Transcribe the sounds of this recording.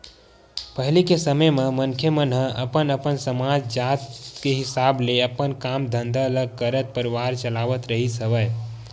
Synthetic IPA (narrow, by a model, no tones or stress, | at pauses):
pəɦilikesəməjmemənkʰjəmənɦəʔəpənəpənsəmad͡ʒd͡ʒat̪keɦisableəpənkamd̪ʱənd̪ʱələɡ̚kəɾət̪̚pəɾiʋaɾt͡ʃəlaʋət̪ɾəɦisəbəj